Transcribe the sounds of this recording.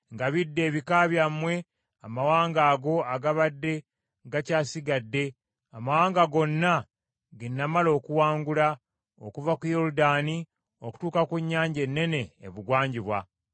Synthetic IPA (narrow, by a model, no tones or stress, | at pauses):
ŋɡaβidːe̞ːβikaːβjamwe̞ | amawaːŋɡaːɡo̞aɡaβadːe̞ | ɡacaːsiɡadːe̞ | amawaːŋɡaɡo̞nːa | ɡenːamalo̞ːkuwaːŋɡula | okuvakujo̞ɾudaːni | o̞ku̥tuːkakuɲːaːɲɟe̞nːe̞ne̞̰ːβuɡwaːɲɟiβwa